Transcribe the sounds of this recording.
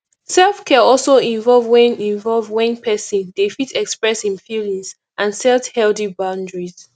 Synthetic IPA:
sɛlˠfkʰɛɔlˠsoĩɱvɔlˠvwɛ̃nĩɱvɔlvwɛ̃npʰɛsĩndefitʰɛkspɹɛshĩnfilĩŋz | ʔãnsɛlthɛldibãʊ̃ndɹiz̥

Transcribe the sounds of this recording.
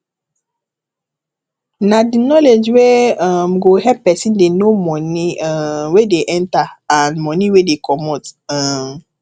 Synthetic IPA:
nadinɔled͡ʒweɔmɡoɦɛppɛsĩndenomɔniwedeʔɛ̃ntaãnmɔ̃niwedekɔmɔtam

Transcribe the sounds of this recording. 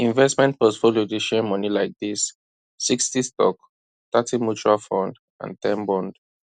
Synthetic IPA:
ĩɱvɛstmɛ̃nt̚pɔtfoliodeʃɛmɔnilaɪk̚ðisː | ikstistɔ̰k | t̪atʰĩmjut͡ʃualfɔ̃nd | ã̰ntʰɛ̃nbɔ̃nd̥

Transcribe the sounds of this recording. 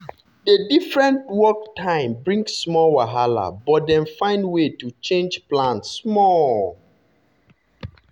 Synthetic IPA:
dedifɹɛ̃ntwɔk̚tʰãɪ̃mbɹĩŋsːmɔlwaɦala̰bɔt̚dɛ̃nfãɪ̃ndwetut͡ʃẽnd͡ʒplãntssmɔl

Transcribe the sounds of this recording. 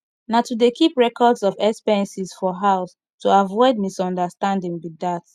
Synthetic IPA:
natudekʰipɹɛkʰɔdzɔvɛkspɛɹ̃nsiz̥fɔɦaʊs | tʰuavɔɪdmisɔ̃ndəstãndĩŋwidat

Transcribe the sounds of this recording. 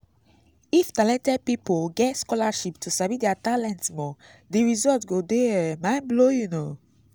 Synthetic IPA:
iftalɛ̃ntɛd̚pipoɡɛtskɔlaʃiptʰusavidɛatalɛ̃ntsmɔ | diɹizɔltɡodeɛmãɪ̃nblojuno

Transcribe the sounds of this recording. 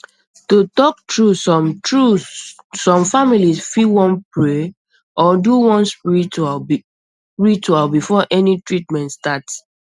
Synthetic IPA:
totɔk̚tɹusɔmtɹuː | ɔ̃mfamilisfiwɔ̃npɹe | ʔɔduwɔ̃nspiɹita | ɹit͡ʃualbifɔʔɛnitɹitmɛ̃ntstat

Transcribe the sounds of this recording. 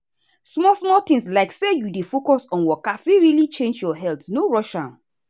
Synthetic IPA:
smɔlsmɔtɪ̃ŋslaɪksejudefokɔsɔ̃nwɔkafiɹilit͡ʃẽnd͡ʒjɔɦɛltnoɹɔʃãn

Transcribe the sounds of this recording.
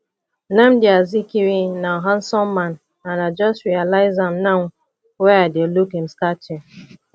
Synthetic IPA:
nam̩diazikiɾinaɦãn̩sɔmman | anad͡ʒɔstɹialaɪzam̩naŋ | wɛadelukɪm̩stat͡ʃɪ

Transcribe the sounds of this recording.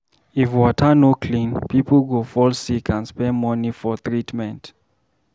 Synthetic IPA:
ifwɔtʰənokʰlĩnpʰipl̩ɡofɔlsikʰə̃nspɛ̃nmɔnifɔθɹitmɛ̃nt

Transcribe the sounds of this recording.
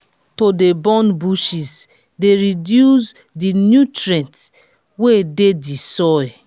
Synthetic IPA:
todebɔ̃nbuʃis | deɹidjus | dinjutɹɛ̃nt | wededisɔ

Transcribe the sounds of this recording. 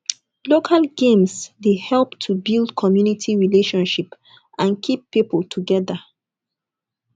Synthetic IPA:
lokʰalɡẽmsdehɛlˠptʰubilˠdkʰɔmjunitʰiɹileʃɔ̃nʃip | ʔãnkʰipːipəlˠtʰuɡɛðə

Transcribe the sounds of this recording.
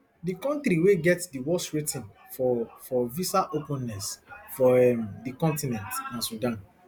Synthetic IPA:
dikɔ̃ntɾiweɡɛtdiwɔsɹetĩn | fɔfɔvisaʔopũnːɛsfɔɛmdikɔ̃ntinɛ̃ntnãnsudãn

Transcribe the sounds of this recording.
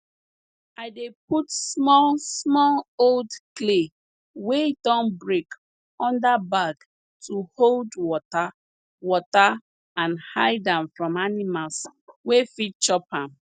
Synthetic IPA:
aɪdep̚utsmɔlsmɔloldkle | wedɔ̃nbɹek | ɔ̃ndabaɡ | tʰuholdwɔta | wɔta | ãnhaɪdãmfɹɔ̃manimalswefit̚t͡ʃɔpãm

